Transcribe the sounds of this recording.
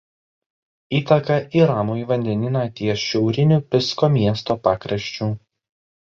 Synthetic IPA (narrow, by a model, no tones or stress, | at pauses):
iːt̪ɐkɐʔiːɾɑːmoːjʋɐnʲd̪ʲɛnʲɪnɐt̪ʲiɛʃʲɛʊɾʲɪnʲupʲɪskoːmʲiɛst̪oːpɑːkɾɐʃʲt͡ʃʲuː